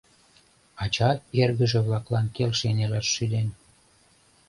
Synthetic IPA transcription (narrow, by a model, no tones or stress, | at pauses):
ɑt͡ɕɑerɣəʒĕβlɑklɑnkelʃenelɑʃːyd̪en